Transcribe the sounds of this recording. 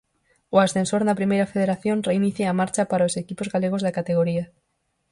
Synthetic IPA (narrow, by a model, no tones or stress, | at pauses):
oasθensoɾnapɾimejɾafeðeɾaθjo̞nreiniθjeamaɾt͡ʃapaɾaosekipozɣaleɣ̞ozðakat̪eɣ̞oɾia